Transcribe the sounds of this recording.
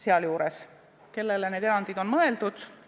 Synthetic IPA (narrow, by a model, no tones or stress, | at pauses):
seɑljuːɾes | ke̞lːeleneːd̪eɑnd̪id̪o̞nmɤe̞ld̪̥ud̪̥